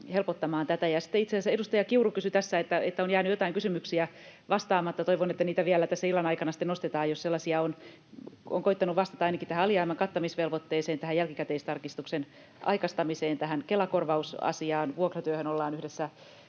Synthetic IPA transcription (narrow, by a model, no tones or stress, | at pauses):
helpot̪ːɑmɑːnt̪æt̪æjɑsi̥t̪ːeit̪sesæedust̪ɑjɑkiurukysyt̪æsːæet̪ːæet̪ːæonjæːnyjot̪ɑiŋkysymyksiæ | ʋɑst̪ɑːmɑt̪ːɑt̪oiʋonet̪ːæniːt̪æʋiælːæt̪æsːæilːɑnɑikɑnɑsi̥t̪enost̪et̪ɑːjosselːɑsiɑon | o̰ŋkoit̪ːɑnuʋʋɑst̪ɑ̥t̪ɑɑinɑkit̪æhæɑliɑimːɑŋkɑt̪ːɑmisʋelʋot̪ːeːseːnt̪æhæjælkikæt̪eist̪ɑrkist̪uksen | ʔɑ̰ikɑst̪ɑmiseːnt̪æhænkelɑkorʋɑusɑ̰siɑːnʋuokrot̪yøhønolːɑːnyhdesːæ